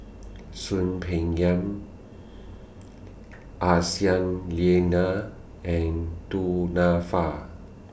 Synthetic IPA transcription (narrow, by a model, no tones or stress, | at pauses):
sunpʰeŋjam | ʔasianliena | ʔɛnt̪unafa